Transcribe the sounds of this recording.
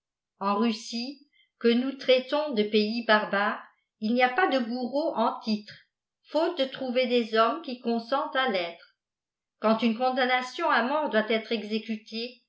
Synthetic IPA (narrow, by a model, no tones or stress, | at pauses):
ɑ̃ʁysi | kənut̪χɛt̪ɔ̃d̪əpeibaʁbaːʁ | ilniapad̪əɡuʁoʔɑ̃t̪it̪χ | fot̪̚d̪ət̪χuved̪ezɔmkʲikɔ̃sɑ̃t̪alɛːt̪χ | kɑ̃t̪ynkɔ̃d̪anasjɔ̃amɔ̃ʁd̪wat̪ɛt̪χɛɡzekyt̪ʰe